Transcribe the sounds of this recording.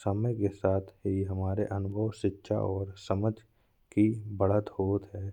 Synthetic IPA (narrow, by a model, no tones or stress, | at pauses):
səməjkesaːt̪ʰɦiɦɐmaːɾeʔɐnʊbʱəʋʃɪtːʃʰa̰ʔɔːɾsəməd͡ʒʱ | kibəɽət̪ɦoːt̪ɦɛː